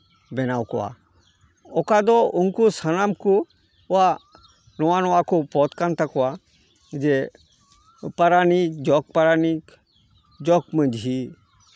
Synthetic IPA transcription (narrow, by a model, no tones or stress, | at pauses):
bɛnawkɔwa̰ | ɔkad̪ɔʊnkusanamku | a | nɔwanɔakupɔt̪kant̪akɔwa | d͡ʒe | paɾanid͡ʒɔk̚paɾanik | d͡ʒɔkmə̃d͡ʒɦi